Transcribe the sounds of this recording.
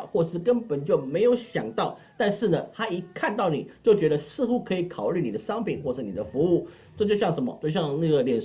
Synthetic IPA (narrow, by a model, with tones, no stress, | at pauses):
xwɔ˥˩ʂɻ̩˥˩kə˥npə˨˩˦nt͡ɕjo˥˩ʊme˧˥ɪjo˧˥ʊɕjɑ˨˩ŋt̪ɑ˥˩ʊt̪a˥˧nʂɻ̩˥˩nə˩t̪ʰa˥i˧˥kʰa˥˧nt̪ɑ˥˩ʊni˨˩t͡ɕjo˥˩ʊt͡ɕɥɛ˧˥d̪ə˧sɹ̩˥˩xu˥kʰɤ˧˥i˧˩kʰɑ˨˩ʊly˥˩ni˨˩d̪ə˦ʂɑ˥ŋpʰi˨˩nxwɔ˥˩ʂ̩˥˩nḭ˨d̪ə˦fu˧˥u˥˩ | ʈ͡ʂɤ˥˧t͡ɕjo˥˧ʊɕjɑ˥˩ŋʂə˧˥nmə̰˧t͡ɕjo˥˧ɕjɑ˥˧ŋna˥˩ɡə˩ljɛ˨˩n